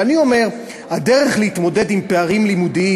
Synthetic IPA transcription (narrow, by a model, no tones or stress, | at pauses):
anio̞me̞ʁ | hade̞ʁeχleit̪mo̞de̞dimpe̞aʁimlimudii